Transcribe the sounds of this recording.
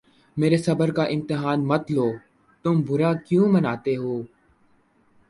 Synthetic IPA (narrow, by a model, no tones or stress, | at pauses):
meːɾeːsəbəɾkaːʔɪmt̪ɪɦaːnmət̪loː | t̪ʊmbʱʊɾaːkjũːmənaːt̪eːɦoː